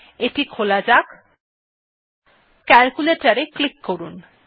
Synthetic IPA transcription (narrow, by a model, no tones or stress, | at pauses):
eʈikʰolad͡ʑak | kɛlkuleʈaɾeklikːoɾun